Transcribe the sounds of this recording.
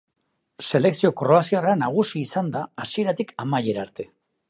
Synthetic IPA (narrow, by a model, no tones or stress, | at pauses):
se̞le̞ksio̞koroasiaranaɣ̞usiːsand̪aːsie̞ɾat̪ikamaje̞ɾaɾt̪e̞